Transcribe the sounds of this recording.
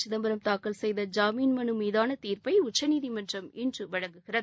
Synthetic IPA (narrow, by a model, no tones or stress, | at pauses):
t͡ʃɪðɐmbɐɾɐmt̪aːkɐlsɛjðɐd͡ʒaːmiːnmɐnɯmiːðaːnɐt̪iːɾpɐɪʊt͡ʃːɐniːðimɐndrɐmɪndrɯʋɐɻɐŋɡɯɣɪrɐðɯ